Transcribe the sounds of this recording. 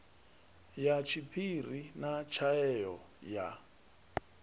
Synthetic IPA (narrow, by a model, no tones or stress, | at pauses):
jat͡ʃʰipʰirinat͡ʃʰaɛjɔ | ja̰